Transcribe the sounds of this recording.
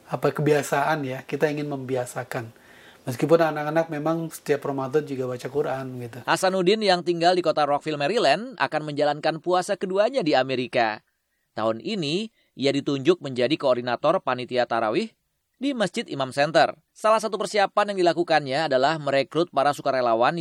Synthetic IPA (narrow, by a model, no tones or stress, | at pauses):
apakəbiasaʔanjakit̪aiŋɪnməmbiasakan | məs̬kip̬ʊnanakanak̚memaŋsə̥t̪iapːɾomat̪ɔt̪̚d͡ʒuɡabat͡ʃakuɾʔanɡit̪uhasanudɪnjaŋt̪iŋɡaldikot̪aɾɔk̚filmɛɾilɛnda̰kanməɲd͡ʒalankanpuasakəduaɲadiameɾika̰ | t̪a̰ʊnʔini | ʔiadit̪uɲd͡ʒʊk̚məɲd͡ʒadikoːrdinat̪ɔrpanit̪iat̪aɾa̰wɪh | dimasd͡ʒɪt̪imamsɛnt̪ə̰r | salahs̬at̪upərsiapanjaŋdilakukanɲaːdalahməɾekɾʊt̪̚paɾasukaɾelawan